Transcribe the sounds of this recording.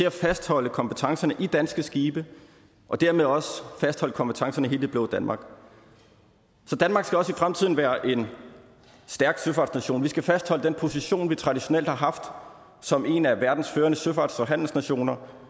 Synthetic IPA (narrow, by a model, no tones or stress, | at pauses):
t͡sʰe̝æfæsd̥hɒ̽l̰əkʰɒ̽mb̥ət͡sʰɑ̈ŋsɐnəʔid̥ænsɡ̥əsɡ̥iːb̥ə | ʔɒ̽d̥æɐ̰meðˠɒ̽səfæsd̥hɒ̽ləkʰɒ̽mb̥ət͡sʰɑ̈ŋsɐnəɦe̝ːld̥b̥loːd̥ænmɑ̈ːɡ̥ | sɒ̽d̥ænmɑ̈ːɡ̥sɡ̥æɒ̽sifʁamt͡sʰið̞̰ˠn̩ʋæːɐʔe̝n | sd̥æɐɡ̥søfɑ̈ːd̥snæɕo̝̰ːnʋisɡ̥æfæsd̥hɒ̽l̰əd̥enpʰo̝siɕo̝̰ːnʋit͡sʰʁɑ̈d̥iɕo̝nel̰d̥hɑ̈ɦɑ̈fd̥ | sɒ̽me̝næʋæɐd̥n̩sføːɐnəsøfɑ̈ːd̥sɒ̽ɦæn̰l̩snæɕo̝̰ːnɐ